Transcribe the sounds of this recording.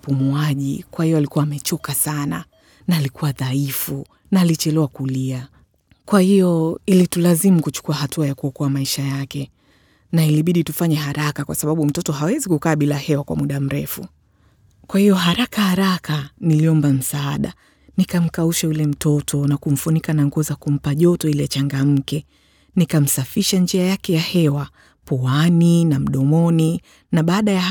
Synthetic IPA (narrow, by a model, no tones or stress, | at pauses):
pumuaʄikwahiɔalikuwaːmɛt͡ʃɔkasana | naːlikuwaðaifu | naːlit͡ʃɛlɛwakulia | kwahijɔilitulazimukut͡ʃu̥kuahatuajakuɔkɔamaiʃajakɛ | nailiɓiɗitufaɲɛɦaɾakakwasaɓaɓum̩tɔtɔhawɛzikukaːɓilahɛwakwa̰muɗam̩ɾɛfu | kwahijɔɦaɾakahaɾakaniliɔmbam̩saːɗa̰ | nikam̩kauʃaulɛm̩tʰɔtʰɔnakum̩funikanaŋɡuɔzakum̩paʄɔtɔilɛt͡ʃaŋɡam̩kɛ | nikam̩safiʃand͡ʒiajakɛjahɛwa | pɔaninam̩ɗɔmɔni | naɓaːɗaja